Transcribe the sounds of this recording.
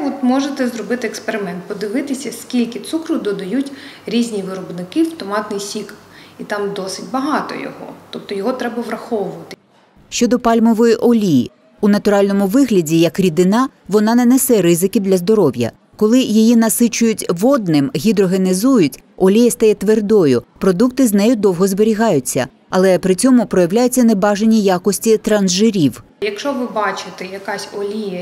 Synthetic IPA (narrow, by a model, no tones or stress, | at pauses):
ɔt̪mɔʒet̪ɛzɾɔbɪt̪ɪekspeɾɪmɛnt̪̚pɔd̪ɪʋɪt̪ɪsʲɐskʲilʲkɪt̪sukɾʊd̪ɔd̪ɐjutʲɾʲizʲnʲiʋɪɾɔbnɪkɪft̪ɔmɑt̪nɪjsʲik | it̪ɑmd̪ɔsɪtʲbɐɦɑt̪ɔ̰jɔ̰ɦɔ̰t̪ɔp̚t̪ɔjɔɦɔt̪ɾɛbɐʋɾɐxɔʋʊʋɐt̪ɪ | ʃt͡ʃɔd̪ɔpɑlʲmɔʋɔjiʔɔlʲijḭ | unɐt̪ʊɾɑlʲnɔmʊʋɪɦlʲɐdʲijɐkɾʲid̪ɪnɑ | ʋɔnɑnɛnesɛɾɪzɪkid̪lʲɐzd̪ɔɾɔʋʲjɐ̰ | kɔlˠɪjijinɐsɪt͡ʃʊjʊtʲʋɔd̪̚nɪmɦʲid̪ɾɔɦenɪzujʊtʲ | ɔlʲijɐst̪ɐjɛt̪ʋerd̪ɔjʊpɾɔd̪ukt̪ɪznɛjʊd̪ɔwɦɔzbeɾʲiɦɑjʊt͡sʲːɐ̰ | ɐlˠɛpɾɪt͡sʲɔmʊpɾɔjɐʋlʲajʊt͡sʲːɐnebɑʒenʲijɑkɔsʲtʲit̪ɾɐnzʒɪɾʲiw | jɐkʃɔʋɪbɑt͡ʃɪt̪ɛjɐkɑsʲɔlʲijɐ